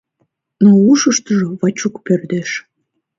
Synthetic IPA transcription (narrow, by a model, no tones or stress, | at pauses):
nouʃəʃt̪əʒoβɑt͡ɕukpørd̪eʃ